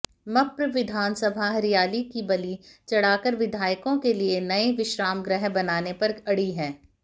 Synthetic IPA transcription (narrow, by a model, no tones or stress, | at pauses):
mɐpɾʋɪd̪ʱaːnsɐbʱaɦɐɾijaːlikibɐlit͡ʃɐɽ̤aːkəɾʋɪd̪ʱaːjkõkelienɐeʋɪʃɾaːmɡɾəɦbɐnaːnepɐɾɐɽiɦɛ̃ː